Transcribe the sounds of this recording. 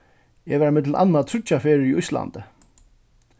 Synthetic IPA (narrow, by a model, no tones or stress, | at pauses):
ɛvɛɾmɪt̪̬lʔa̰nːmat̪ʰɾʏt͡ʃːafeːɾɪɾiʊjst̪la̰nt̪ɪ